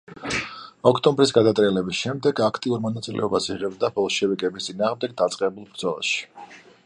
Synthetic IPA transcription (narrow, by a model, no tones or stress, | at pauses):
ɔkʰt̪ʼɔmbɾis̬ɡad̪at̪ʼɾiɛlɛbisʃɛmd̪ɛɡakʰt̪ʼiuɾmɔnat̪sʼilʔɛ̰ɔbasiʁɛbd̪abɔlˠʃɛvikʼɛbist̪sʼinaːʁmd̪ɛɡ̚d̪at̪sʼqʼɛbulˠbɾd̪zɔlˠa̰ʃi̥